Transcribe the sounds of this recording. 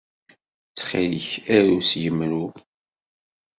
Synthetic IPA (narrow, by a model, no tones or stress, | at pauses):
t͡sːχiləçæɾusjəmːɾu